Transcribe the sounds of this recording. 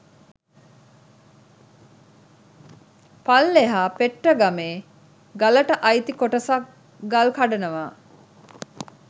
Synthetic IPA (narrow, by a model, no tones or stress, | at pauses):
palːeɦaːpeʈːəɡameː | ɡaləʈəʔɐjt̪ikoʈəsak | ɡalkaɖɐnəʋaː